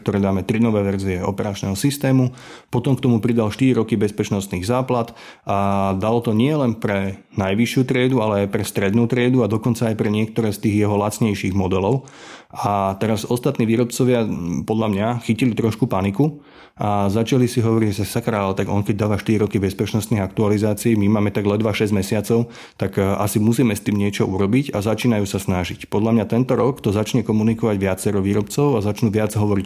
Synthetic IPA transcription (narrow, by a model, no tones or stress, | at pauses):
kt̪ɔɾɛːd̪aːmɛt̪ɾid̪nɔʋɛːʋɛɾziɛɔpɛɾat͡ʃnɛːɦɔsist̪ɛːmu | pɔt̪ɔmkt̪ɔmupɾid̪alʃt̪iɾiɾɔkibɛspɛt͡ʃnɔst̪niːɣzaːplat̪ | d̪alɔt̪ɔɲɪɛlɛnpɾɛ | najʋiʃɪut̪ɾɪɛd̪ualɛajpɾɛst̪ɾɛd̪nuːt̪ɾɪɛd̪uad̪ɔkɔnt͡saːjpɾɛɲɪɛk̚t̪ɔɾɛːst̪iːɣjɛɦɔlat͡sɲɛjʃiːɣmɔd̪ɛlɔʊ | at̪ɛɾazɔst̪at̪niːʋiːɾɔpt͡sɔʋɪapɔd̪ʎamɲaxicilit̪ɾɔʃkupaniku | ʔazat͡ʃalisiɦɔʋɔɾiɟsasakɾaːlt̪aɡɔŋkɛɟ̚d̪aːʋaʃt̪iɾiɾɔkibɛspɛt͡ʃnɔst̪niɣakt̪ualizaːt͡siːmimaːmɛt̪aɡlɛd̪ʋaʃɛzmɛsɪat͡sɔʊ | t̪aɡʔasimusiːmɛst̪iːmɲɪɛt͡ʃɔuɾɔbicazat͡ʃiːnajuːsasnaʒicpɔd̪lamɲat̪ɛnt̪ɔɾɔkt̪ɔzat͡ʃɲɛkɔmunikɔʋaɟʋɪat͡sɛɾɔʋiːɾɔpt͡sɔʊazat͡ʃnuʋɪad͡zɦɔʋɔɾic